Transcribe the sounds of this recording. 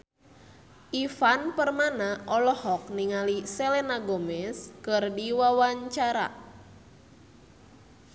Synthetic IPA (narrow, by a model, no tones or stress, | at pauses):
ʔifanpərmanaʔɔlɔhɔk̚niŋalisɛlɛnaɡomɛskɨrdiwawaɲt͡ʃaɾa̰